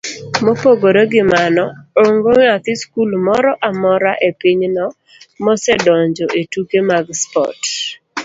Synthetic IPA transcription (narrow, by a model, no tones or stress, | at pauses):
mopoɡoɾoɡɪmanɔoŋɡoŋat̪ɪskulmɔɾɔʔamɔɾaʔepiɲnɔ | mɔsɛdɔɲd͡ʒɔʔetukemaɡspɔ̰t